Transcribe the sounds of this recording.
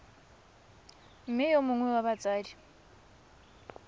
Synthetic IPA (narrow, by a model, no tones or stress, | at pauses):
m̩mɪjomʊŋwɛwaβat͡sʼaːdi